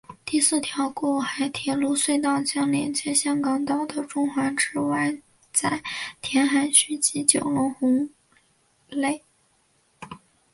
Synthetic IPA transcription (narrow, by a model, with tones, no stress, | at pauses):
t̪i˥˧sɹ̩˥˩t̪ʰjɑ˧˥ʊkɔ˥˩xa˧˥ɪt̪ʰjɛ˧˨˩lu˥swe˥˧ɪt̪ɑ˥˩ʊt͡ɕjɑ˥ŋljɛ˧˥nt͡ɕjɛ˥ɕjɑ˥ŋkɑ˧˥ŋt̪ɑ˥˩ʊd̪ə˨ʈ͡ʂʊ˥˧ŋxwa˧˥nʈ͡ʂɻ̩˥wa˥˧ɪ | t͡sa˥˩ɪt̪ʰjɛ˧˥nxa˧˥nɕy˥t͡ɕi˧˥t͡ɕjo˨˩ʊlʊ˧˥ŋxʊ˧˥ŋ | le˥˩ɪ